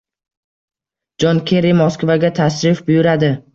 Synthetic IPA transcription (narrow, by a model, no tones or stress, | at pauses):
d͡ʒɒnkʲʰeɾimɒskvaɡʲat̪ʰasɾɪfbʊjʊɾad̪ɪ